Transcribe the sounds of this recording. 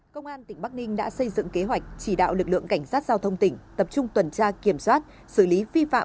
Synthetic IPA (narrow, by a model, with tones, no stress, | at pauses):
kə˧wŋ͡mʔaː˧nt̪ï˧˩ŋ̟ɓa˦˥k̚nï˧ŋ̟ɗa̰ː˧˥sə˧jzɨ̰˧˨ŋke˨˦ɦwa˨˩jk̟̚t͡ɕi˧˩ɗa̰ː˧˨wlɨ˨˩k̚lɨ̰˧˨əŋka˧˩jŋ̟saː˦˥t̚z̥aː˧wt̪ʰə˧wŋ͡mt̪ï˧˩ŋ̟t̪ə˨˩p̚t͡ɕʊ˧ŋ͡mt̪wə˨˩nt͡ɕaː˧ki˧˩əmswaː˦˥t̚ | sɨ˧˩li˨˦vi˧fa̰ː˧˨